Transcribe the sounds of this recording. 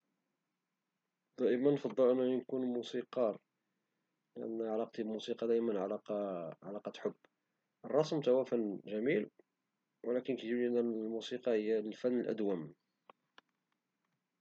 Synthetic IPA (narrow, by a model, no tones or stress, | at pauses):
d̪̥æʔəmənːfɑd̪ˤːəlʔənːænkunmusiqɑɾˤ | lɪʔə̰nːʕalɑqɑt̪ˤibmusiqɑd̪æʔəmənʕalɑqʕalɑqɑt̪ħʊbː | ʔərˤːɑsˤmt̪æwæfænːʒæmil | wəlækənkæʒiblʔænːælmusiqɑhəjːælfænːəlʔæ̰d̪wæm